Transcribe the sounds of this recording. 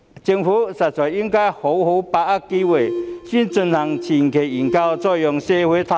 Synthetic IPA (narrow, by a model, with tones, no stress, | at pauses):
t͡ɕi˧ŋfu˦sa˨˩t͡sɔ˨˩ji˦˥ŋka˦jho˨˦who˧˦wpa˧a˦˩kːi˦we˨ɕi˧˨nt͡sʊ˧nta˨˩ŋt͡ɕʰi˨˩nkʰe˨˩ji˨˩ŋka˥˧wt͡sɔ˥˧jɔ˧ŋse˧˩hwe˦t̪ʰa˧